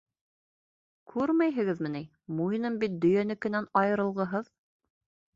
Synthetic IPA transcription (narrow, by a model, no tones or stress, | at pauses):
kʰʉɾmæjɦɘ̆ɡɘðmɘ̆ni | mujnɤmbit̪̚d̪ɵ̆jænɘkɘ̆nænɑjɤ̆ɾɤ̆lˠʁɤ̆ɦɤð